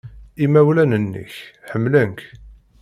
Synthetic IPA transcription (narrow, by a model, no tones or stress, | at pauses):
imæwlænənːə̰çħəmːləŋk